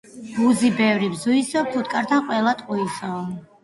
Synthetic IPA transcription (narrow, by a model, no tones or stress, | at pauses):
b̥uzibɛvɾibzuisɔp̚t̪ʰut̪̚ʰkʼaɾt̪ʰaqʼwɛlˠat̪ʼqʼuisɔ